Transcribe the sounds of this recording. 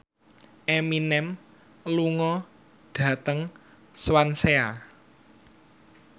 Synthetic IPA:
ʔeminɛm | luŋɔ | ɖ̥ä̤t̪əŋ | swansea

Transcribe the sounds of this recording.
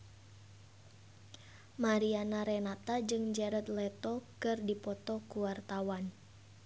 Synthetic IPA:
maɾianaɾɛnat̪ad͡ʒɨŋd͡ʒɛɾat̪̚lɛt̪ɔkɨrdipɔt̪ɔkuwart̪awan

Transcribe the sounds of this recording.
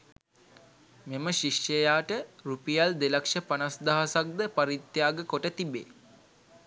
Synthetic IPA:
meməʃiʃjəjaːʈəɾupijald̪elakʂəpanasd̪aɦasak̚d̪əpaɾit̪jaːɡəkoʈət̪ibḛː

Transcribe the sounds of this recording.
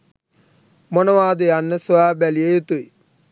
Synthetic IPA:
monəʋaːd̪əjanːəsʋaːbælijejet̪ui

